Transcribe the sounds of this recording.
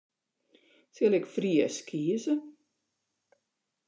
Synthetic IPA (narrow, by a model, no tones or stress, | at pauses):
sɪlɪkfriəskʰiəzə